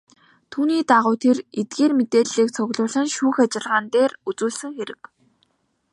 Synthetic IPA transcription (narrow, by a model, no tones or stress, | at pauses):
t̪ʰuːniːt̪aʁʊːt̪ʰeret̪̚ɡeːrmet̪eːɮiːk̚t͡sʰɔɣɮʊːɮə̆nʃuːxat͡ɕɪ̆ɮʁaːnt̪eːrut͡suːɮsɘ̆ŋxeɾɘ̆k